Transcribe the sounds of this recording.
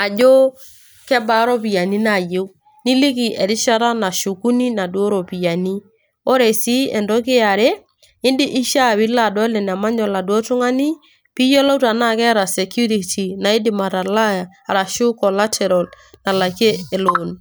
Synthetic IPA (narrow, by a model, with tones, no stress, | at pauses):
a˨d͡ʒo˦ | kɛ˦ba˦ɾɔ˦pi˨ja˨ni˦na˨je˦w | ni˦lɪ˦ki˨ʔɛ˨ɾɪ˦ʃa˦ɾa˦na˨ʃu˨ku˦ni˦na˨dwo˦ɾo˨pi˨ja˨ni˦ | o˦ɾe˨si˦ɛ˨ndɔ˦kɪ˦a˨ɾe˦ | ɪ˦ndɪ˦ʔɪ˦ʃa˦˨βi˨˦la˦˨dɔ˨˦lɛ˨n˨a˨ma˦ɲɔ˨la˨du˨ɔ˦tʊ˦ŋa˦ni˦ | pi˦jɔ˦la˦u˦ta˨na˦˨kɛ˦ɾa˨sɛ˨kju˦ɾi˨ti˨na˨i˦dɪ˨ma˨ɾa˨la˦˨a˨ɾa˨ʃʊ˦kɔ˨la˦tʰɛ˨ɾɔ˨l | na˨la˨keː˦˨lo˨n